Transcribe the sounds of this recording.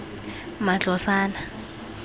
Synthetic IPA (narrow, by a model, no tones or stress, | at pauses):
mat͡ɬɔsaːna